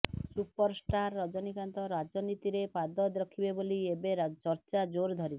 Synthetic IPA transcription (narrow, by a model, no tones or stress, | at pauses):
supɔɾsʈaɾːɔd͡ʒɔnikant̪ɔɾad͡ʒɔnit̪iɾepad̪ɔd̪ɾɔkʰibeboliebeɾt͡ʃɔɾt͡ʃad͡ʒoɾd̪ʱɔɾib